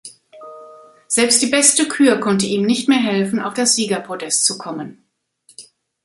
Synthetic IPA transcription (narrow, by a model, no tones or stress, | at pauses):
z̥ɛlpstd̥iːbɛstəkʰyːɐkʰɔntəiːmnɪçtmeːɐɦɛlfn̩a̰ʊfd̥asz̥iːɡɐpʁ̥odɛstt͡sukʰɔmən